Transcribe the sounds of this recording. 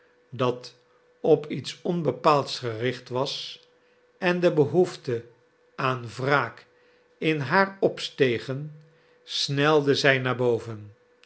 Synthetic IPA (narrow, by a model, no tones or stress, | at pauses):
dɑt | ɔpitsɔnbəpaːlˠtsχərɪχtʋɑs | ɛndəbəɦuftə | aːnvraːk | ɪnɦaːɹɔpstejχən | snɛlˠdəzɛjnaːɹbowvən